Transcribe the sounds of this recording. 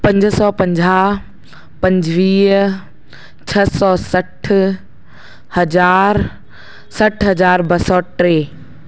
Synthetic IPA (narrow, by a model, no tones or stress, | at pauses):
pɐ̃ɲd͡ʑsɔːpɐ̃ɲd͡ʑaː | pɐ̃ɲd͡ʑʋiːɦ | t͡ɕʰɐsɔːsɐʈʰ | hɐd͡ʑaːɾ | sɐʈʰɦɐd͡ʑaːɾbɐsɔʈɾeː